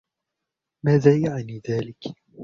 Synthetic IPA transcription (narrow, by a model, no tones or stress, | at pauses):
maːðaːjaʕaniːðaːlɪk